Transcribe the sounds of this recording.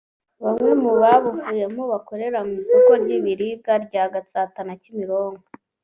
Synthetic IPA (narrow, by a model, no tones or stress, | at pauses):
βamŋe̞muβaβuvuːje̞moβako̞ɾe̞ɾamisoko̞ɾɟiβiɾiɡaɾɟaɡat͡satanacimiɾo̞ːŋɡo